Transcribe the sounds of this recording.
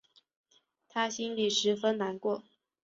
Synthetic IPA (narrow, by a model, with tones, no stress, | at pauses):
t̪ʰa˥ɕi˥nli˨˩ʂɻ̩˧˥fə˥nna˧˥nkwɔ˥˩